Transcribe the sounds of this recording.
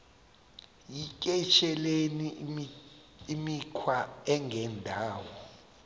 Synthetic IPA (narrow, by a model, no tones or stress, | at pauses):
jikʼɛt͡ʃʰɛleni | imikʰwaɛŋʱɛndʱaːwɔ